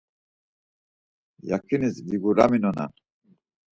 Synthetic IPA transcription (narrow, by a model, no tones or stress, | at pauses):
jakʰinisdiɡuɾa̰minɔna̰n